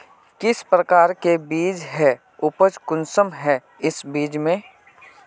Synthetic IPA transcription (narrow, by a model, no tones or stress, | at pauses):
kɪspɾəkaːɾkebiːd͡ʒɦɛ | ʊpəd͡ʒkʊnsəmɦɛ | ɪsbiːd͡ʒmẽ